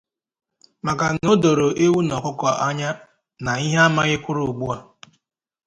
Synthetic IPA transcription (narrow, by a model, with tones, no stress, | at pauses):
ma˨ka˨no˦do˨ɾo˨ʔe˦wu˦nɔ˨kʊ˦kʷɔ˦ʔa˦ɲa˦ | na˨i˦ɦe˦a˦ma˦ɣɪ˦kʷʊ˦ɾʊ˨ɡ͡bu˦a˨